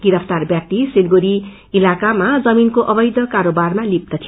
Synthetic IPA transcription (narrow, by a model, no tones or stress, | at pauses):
ɡiɾʌpʰt̪arbjak̚t̪iselɡoɾi | ilakamad͡zʌminkoʔʌbʌjd̪ʌkaɾobarmalip̚t̪ʌt̪ʰij